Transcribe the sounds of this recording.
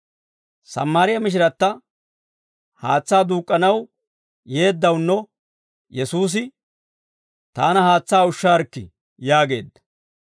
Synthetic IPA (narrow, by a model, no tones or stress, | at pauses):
sɐ̰mːaːɾɪjɐmɪʃ̬ɪɾɐt̪ːɐ | haːt͡sːaːd̪uːkʼːɐnɐw | je̞ːd̪ːɐwnːɔ | jɛsuːs̬ɪ | t̪aːnɐhaːt͡sːaːʊʃːaːɾkːɪ̰ | jaːɡe̞ːd̪ːɐ̥